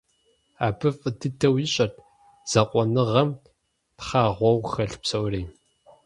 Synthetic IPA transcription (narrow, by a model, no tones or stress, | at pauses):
a̰ːbɨfʼɨdʰɨtʰɐwjɪɕʼɐt | z̥ɐqʷʼɔnɨʁɐm | tχaːʁʷɔwxɐɬpsɐwriː